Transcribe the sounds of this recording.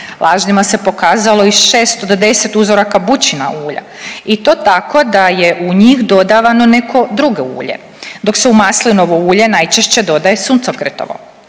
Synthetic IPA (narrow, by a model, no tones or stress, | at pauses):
lˠʔaːʒnimase̞po̞kaːzalˠo̞isʃeːst̪od̪d̪e̞set̪uzoɾakabut͡ɕina̰uːʎa̰it̪o̞ːt̪ako̞d̪aje̞ʔuɲixd̪o̞d̪aʋano̞ne̞kʰo̞d̪ɾuɡeṵːʎḛ | d̪o̞kseumaːslino̞ʋouːʎe̞najt͡ʃeʃt͡ɕe̞d̪o̞d̪ajesunt̪sokɾet̪o̰ʋo̰